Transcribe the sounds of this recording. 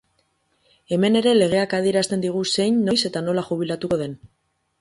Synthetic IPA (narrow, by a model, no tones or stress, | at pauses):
e̞me̞ne̞ɾe̞le̞ɣ̞e̞akað̞ieɾast̪e̞nd̪iɣ̞use̞jnːo̞jse̞t̪ano̞laʝuβ̞ilat̪uko̞ðe̞n